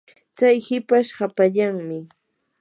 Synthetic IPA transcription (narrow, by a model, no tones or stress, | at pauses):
t͡sajhɪpaʃhapaʎaŋmɪ